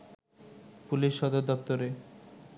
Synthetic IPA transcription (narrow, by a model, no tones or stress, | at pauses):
puliʃːɔd̪oɾd̪ɔpt̪oɾe